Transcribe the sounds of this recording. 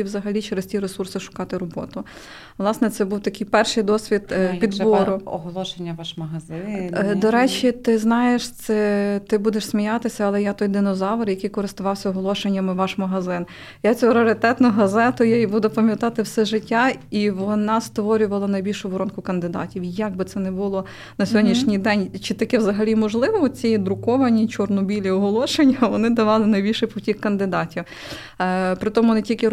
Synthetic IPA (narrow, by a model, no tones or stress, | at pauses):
iwzɐɦɐlʲit͡ʃeɾesʲtʲiɾesursɪʃʊ̥kɑt̪ɪɾɔbɔ̰t̪ʊ | ʋlˠɑsnɛt̪sɛbuwt̪ɐkɪjpɛrʃɪjd̪ɔsʲʋʲid̪pʲid̪ʋɔɾʊɔɦɔlˠɔʃenʲːɐʋɑʃmɐɦɐzɪd̪ɔɾɛt͡ʃit̪ɪznɑjeʃt̪sɛt̪ɪbud̪eʃsʲmʲijɑt̪ɪsʲɐɐlˠɛjat̪ɔjd̪ɪnɔzɑʋɐɾjɐkijkɔɾɪst̪ʊʋɑwsʲɐɔɦɔlˠɔʃenʲːɐmɪʋɑʃmɐɦɐzɪn | jat͡sʲuɾeɾɪt̪ɛt̪nɔɦɐzɛt̪ɔjaibud̪ɛpɐmʲjɐt̪ɑt̪ɪwsɛʒɪtʲːaiʋɔnɑst̪ʋɔɾʲʊʋɐlˠɐnɐjbʲilʲʃʊbɔɾɔnkʊkɐnd̪ɪd̪ɑ̰tʲiwjɐɡ̚bɪt̪sɛnɛbʊlˠɔ | nɐsʲɔdʲnʲiʃnʲijd̪ɛnʲt͡ʃɪt̪ɐkɛwzɐɦɐlʲimɔʒlˠɪʋɔɔt͡sʲijid̪ɾʊkɔʋɐnʲit͡ʃɔrnɔbʲilʲiɔɦɔlˠɔʃenʲːɐʋɔnɪd̪ɐʋɑlˠɪnɐjbʲilʲʃɪjpɔwtʲikːkɐnd̪ɪd̪ɑtʲiw | pɾɪt̪ɔmʊnetʲilʲkɪ